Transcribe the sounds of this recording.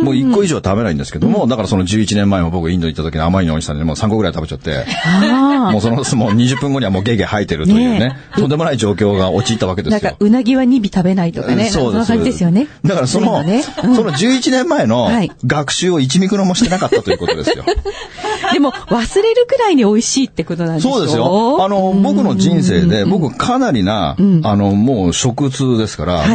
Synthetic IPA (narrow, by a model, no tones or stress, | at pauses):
moːikːo̞iʑo̞ːt̪abe̞naḭ̃d̪e̞sɨ̥ke̞d̪o̞mod̪akaɾaso̞nod͡ʑɨːit͡ɕinẽ̞mːae̞mo̞bo̞kɯ̟ĩnd̪oɲit̪ːat̪okʲiɲ̟iamaɾʲinoɲit̪aɲiemoːsãŋɡo̞ɡɯɾait̪abe̞t͡ɕat̪ːe̞̰amo̞ːso̞nosmoɲ̟iʑɨpːɯ̟̃ŋɡo̞ɲ̟iβamo̞ːɡe̞ːɡehait̪ːe̞ɾɯ̟ojɯ̟ːne | t̪o̞nd̪e̞mo̞naiʑo̞ːkʲo̞ːɡao̞t͡ɕiːt̪ːaβake̞d̪ed̪saɨjaɯ̟naɡʲiβaɲ̟ibʲit̪abe̞nait̪okasoːd̪esaesɨjoned̪akaɾaso̞no̞neɯ̃so̞no̞d͡ʑɨːit͡ɕinẽ̞mːae̞no̞haiɡakɯ̟̥ɕɨːo̞it͡ɕimʲikɯ̟nomo̞ɕi̥t̪e̞nakat̪ːat̪oiɯkotod̪eɨ̰jo̰ | d̪e̞mo̞βasɨɾe̞ɾɯ̟ɡɯ̟ɾainio̞iɕiːt̪ːe̞ko̞t̪o̞nãnsoe̞ːd̪e̞ssɨjoano̞bo̞kɯ̟no̞ʑĩɰ̃s̬e̞ːd̪e̞bo̞kɯβakʰanaɾʲinã̰ano̞mo̞ːɕo̞kɯ̟t͡sɨːd̪e̞sɨ̥ka̰ɾa̰a